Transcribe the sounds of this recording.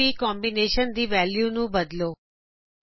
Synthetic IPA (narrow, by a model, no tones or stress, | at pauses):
ikɔmbineʃənd̪iʋɛljunũbəd̪lo